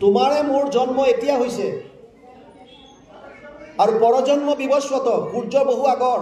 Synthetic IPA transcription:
t̪umaɾemoɾd͡ʒɔnmɔet̪ijaɦojse | aɾupɔɾɔd͡ʒɔnmɔbibɔswɔt̪ɔkuɾd͡ʒɔboɦuaɡɔɾ

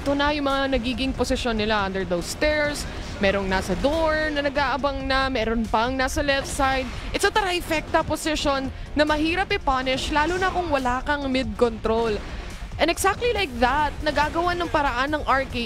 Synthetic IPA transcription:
t̪onɐjʊŋmɐŋanɐɡiːɡɪŋposɪʃonːɪlaʔɐ̃nd̪ɛɹd̪owst̪ɛɹs | mɛːɾoŋnasɐd̪oɹnɐnɐɡaːʔɐbɐŋnɐmɛːɾonpɐŋnasɐlɛft̪sajd̪̚ʔɪt̪sɐt̪ɐɾaɪfɛk̚t̪ɐposɪʃonː | ɐmɐhiːɾɐpɪpanɪʃlaːlonɐkʊŋwɐlaːkɐŋmɪd̪̚kont̪ɾol | ʔɛnɛɡsak̚t̪lilajk̚ðɐt̪̚nɐɡaɡɐwanɐŋpɐɾɐʔanːɐŋʔaɹke

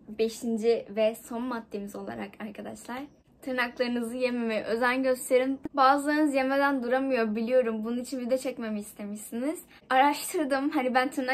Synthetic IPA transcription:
be̞ʃind͡ʒivɛso̞nmat̪ːemizo̞lˠa̰ɾakʰaɾkʰad̪aʃlˠaɾ̥ | t̪ʰɯɾnaklˠaɾɯnɯzɯje̞mimiʔø̞zænɟø̞st̪ʰe̞ɾinbaːzɯlˠaɾɯnɯzje̞med̪ænd̪uɾamɯjo̞ɾbilʲijo̞ɾumbununit͡ʃʰinbid̪ɛt͡ʃʰɛcme̞mɯist̪ʰe̞miʃsiniz̥ | aɾaʃt̪ʰɯɾd̪ɯmhanibænt̪ʰɯɾna

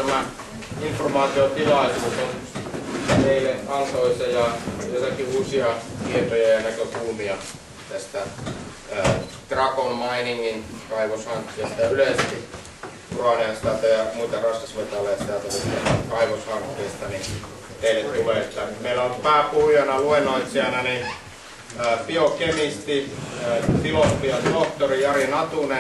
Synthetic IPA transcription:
æmæ | informɑːt̪iot̪ilɑisuːson | it̪eileŋkɑnt̪oisɑjɑjot̪ɑkiuːsiɑkiet̪ojɑjɑnækøkulmiɑ | t̪æst̪æ | k̪rɑkonmɑiniŋːinkɑiʋoshɑŋkːijɑsi̥t̪æyleˑsk̪i | ruɑneɑsit̪æt̪øjɑmuit̪ɑrɑskɑsʋet̪ˑɑˑlːɑjɑt̪sit̪æt̪ulit̪eɑkɑiʋoshɑŋkːˑeːst̪ɑni | t̪eˑilet̪t̪uʋeˑst̪ːɑmumeilæompæːpuhjɑnɑluenːˑoit̪siɑnæni | piokemist̪i | t̪imot̪ːiɑt̪oht̪orijɑrinɑt̪une

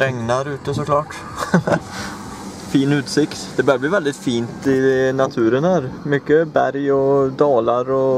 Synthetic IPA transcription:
ɾɛŋnaɾʉ̟ːt̪əsɔkʰlɑːʈ | fiːnʉ̟ːt̪sɪkt̪d̪̥ɛbœœd̪əbliːvɛld̪ɪt̪fiːnt̪ɪnat̪ʰʉ̟ːɾənhæːɾmʏkːəbæ̰ɾjɔd̪ɑːlaɾɔ

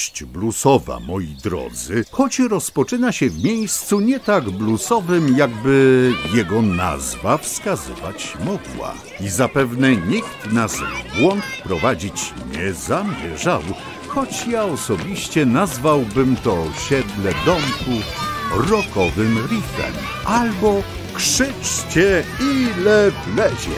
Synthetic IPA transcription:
t͡ɕblusɔva̰mɔjid̪ɾɔ̰d̪zɘxɔt͡ɕɾɔspɔt͡ʂɘnaɕɛvmʲjejst̪suɲɛt̪aɡblusɔvɘmjaɡbɘjɛɡɔna̰zvafskazɨ̰va̰t͡ɕmɔɡwa̰ | izapɛvnɛɲikt̪nazbwɔŋk̪pɾɔvad͡ʑit͡ɕɲɛzamʲjɛ̰ʐaw | xɔt͡ɕjaɔsɔbʲiɕt͡ɕɛnazvawbɘmt̪ɔɕɛd̪lɛd̪ɔmkuɾɔkɔvɘmɾifɛ̰m | ʔalbɔ | kʂɘt͡ʂt͡ɕɛilɛplɛʑɛ̰

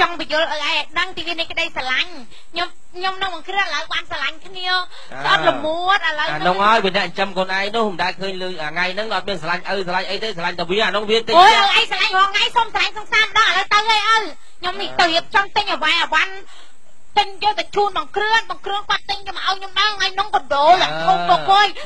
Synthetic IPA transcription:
t͡ɕɑŋpijuəlʔəjʔaɛjʔaɗəŋt̪iːʋiənəjkəɗəjsalaɲ | ɲom | ɲomnɨŋɓɑŋkrɨənʔələwɓaːnsalaɲkʰniə | sʔət̚ləmuət̪̚ʔələwanʊŋhaɔjʋiənɛ̆əʔəɲt͡ɕəmkoːnʔaɛjnʊəhməɗaɛlkʰəːɲləːʔaːŋajnɨŋʔɑt̪̚miənsalaɲʔəwsalaɲʔəjt̪eːsalaɲt̪aʋiəhaːnʊŋʋiənt̪ɨojʔəʔaɛjsalaɲhɦoŋajsomsalaɲsɑŋsaːməɗɑŋʔaləwt̪əwʔəjʔəw | ɲomnit̪əwhiəp̚t͡ɕɑmt̪ɨɲʔəʋajʔaʋan | t̪ɨɲjoːlt̪at͡ɕuːnɓɑŋkrɨənɓɑŋkrɨənkŏət̪̚ːɨɲɲomʔaɔjɲomɗəːŋʔaɔjnoŋkoɗoːloːkoːpoːj

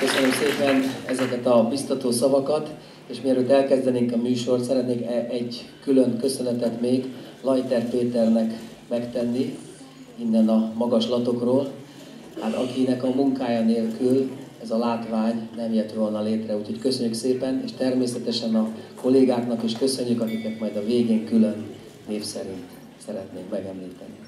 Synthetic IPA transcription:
køsønø̞mseːpɛnɛzɛkɛt̪ɒbist̪ɒt̪oːsɒvɒkɒt̪ | eːʃmiɛɾøːt̪ɛlkɛzd̪ɛneːŋkɒmyːʃo̞rt̪sɛɾɛt̪neːkɛɟkylønkø̞sø̞nɛt̪ɛt̪meːɡlɒjt̪ɛrpeːt̪ɛrnɛk | mɛkt̪ɛnːi | inːɛnɒmɒɡɒʃlɒt̪o̞kroːl | hat̪ɒ̰kinɛkɒmuŋkaːjɒneːlkylɛzɒlaːt̪ʋaːɲnɛmjɛt̪volnɒleːt̪rɛuːcho̞ckø̞sø̞ɲːykseːpɛnḛːʃt̪ɛrmeːsɛt̪ɛʃɛnɒko̞lːeːɡaːknɒkeːʃkø̞sø̞ɲːykɒkiknɛt̪mɒjd̪ɒveːɡeːŋkylø̞nː | eːfsɛɾint̪ | sɛɾɛt̪neːkmɛɡɛmliːt̪ɛ̰ni

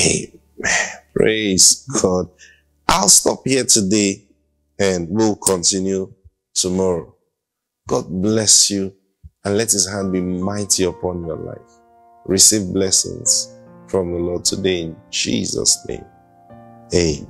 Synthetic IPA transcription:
ḛ | npʰɹez̥ɡɔd̚ | ʔaɪlˠstɔphiətʰude | ɨ̃nwiwlkʰɔ̃ntĩnju | tʰumɔɹo | ɡ̥ɔd̚blɛsju | ə̃nlɛthizɦãdbimaɪtʰiəpʰɔ̃njɔla̰ɪf | ɹisivblɛsɪ̰̃ŋz̥fɹɔ̃mðəlɔd̚tʰudeɪɪ̃nd͡ʒḭzʌ̰snḛ̃ɪ̃m | e

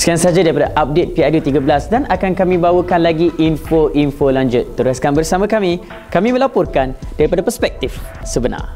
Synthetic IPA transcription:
səkiansad͡ʒadaɾipadaʔap̚det̪̚piajut̪iɡabəlasdanakankamĩbawəkanlaɡiʔinfoʔinfolaɲd͡ʒʊt̪̚ːəɾaskanbərsamãkamĩ | kamĩmə̃lapʊrkand̥aɾipadapərspɛk̚t̪ifsəbəna̰r

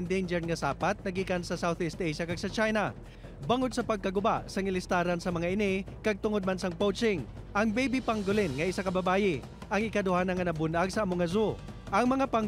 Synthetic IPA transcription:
nd̪ejnd͡ʒɛɹŋɐsaːpat̪̚nɐɡiːkɐnsɐsawθɪst̪ejʃɐkɐɡ̚sɐt͡ʃajnɐ | baŋod̪sɐpɐɡ̚kɐɡʊbaʔsɐŋɪlɪst̪aːɾɐnsɐmɐŋaʔɪnɪkɐɡ̚t̪ʊŋod̪̚mansɐŋpowt͡ʃɪŋ | ʔɐŋbɛjbɪpɐŋɡʊlɪnŋɐʔɪsakɐbɐbaːjɪ | ʔɐŋɪkɐd̪ʊhaːnɐŋɐnɐbʊnaɡ̚sɐːmʊŋɐzo | ʔɐŋmɐŋapɐŋ

